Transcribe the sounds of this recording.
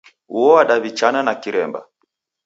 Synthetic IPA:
uɔwaɗaβit͡ʃananakiɾɛmba̰

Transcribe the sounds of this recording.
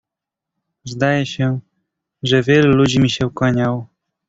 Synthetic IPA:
zd̪ajɛɕɛ | ʐɛvʲjɛlulud͡ʑimʲiɕɛukwaɲaw

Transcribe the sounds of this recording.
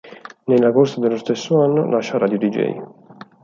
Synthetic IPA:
nelːakorsad̪elːost̪esːoanːo̰lʔaʃːaraːd̪jod̪id͡ʒɛ̰j

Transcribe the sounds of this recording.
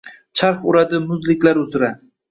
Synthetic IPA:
t͡ʃʰaɾχʊɾad̪ɪmʊzlɪkʲlaɾʊzɾa

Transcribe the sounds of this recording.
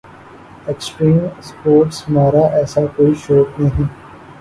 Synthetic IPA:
eksʈɾiːmspoːɾʈsmaːɾaʔɛːsakoːiʃoːknɐɦĩː

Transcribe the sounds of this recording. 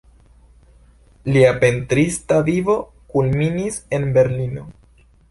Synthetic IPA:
liape̞ntɾistavivo̞ | kulminise̞nbe̞ɾlino̞

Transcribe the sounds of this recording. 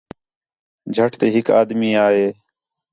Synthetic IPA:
d͡ʒʱəʈʰt̪eːɦɪka̰ːd̪miːaːɦeː

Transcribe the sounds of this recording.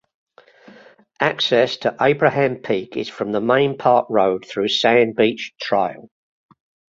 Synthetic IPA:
ʔaksɛstʰəʔeɪbɹəhãmpʰiˑkʰɪz̥fɹə̃mðəmẽɪ̃npʰɑˑʔɹəʊd̪̥̚θɹʉːsæ̃nbiˑt͡ʃtʰɹ̥aɪə̰lˠ

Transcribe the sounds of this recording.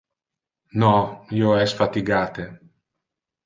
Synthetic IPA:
nɔiːoɛsfat̪iɡaːt̪e

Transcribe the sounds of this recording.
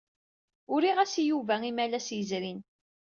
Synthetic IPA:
ʊɾiʁæsijuvæimælæsjəzɾin

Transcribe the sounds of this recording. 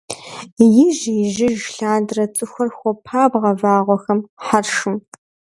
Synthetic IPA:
jɪʒjɪʒɪʒɬaːdrɐt͡sʼɨxʷɐrxʷɔpʰaːbʁɐvaːʁʷɔxɐmħarʃɨm

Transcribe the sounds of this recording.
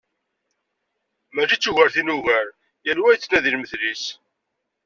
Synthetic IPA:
mæʃit͡sːuʝəɾθinuʝəɾ | jælwæjt͡sːnæðilməθlis

